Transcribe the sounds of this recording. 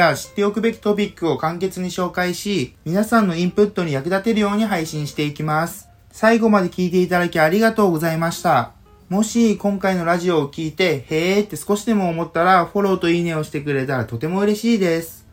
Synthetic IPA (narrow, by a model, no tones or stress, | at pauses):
aɕi̥t̪ːe̞okɯ̟be̞kʲi̥t̪o̞p̬ʲikːɯ̟o̞kãŋke̞t͡sɨɲ̟iɕo̞ːkaiɕimʲinasãnːo̞ĩmpɯ̟t̪ːo̞ɲ̟ijakɯ̟d̪at̪e̞ɾɯ̟jo̞ːɲ̟iɦaiɕĩɰ̃ɕi̥t̪e̞ikʲimasɨ̥ | saiɡo̞mad̪e̞kʲiːt̪e̞it̪ad̪akʲiaɾʲiɡat̪o̞ːɡo̞zaimaɕi̥t̪a | mo̞ɕikõ̞ŋkaino̞ɾaʑio̞ːkʲiːt̪e̞he̞ːt̪ːe̞sɨ̥ko̞ɕid̪e̞mo̞ːmo̞t̪ːaɾaɸo̞ɾo̞ːt̪o̞ine̞o̞ɕi̥t̪e̞kɯ̟ɾe̞t̪aɾat̪o̞t̪e̞mo̞ɯ̟ɾe̞ɕiːd̪e̞sɨ̥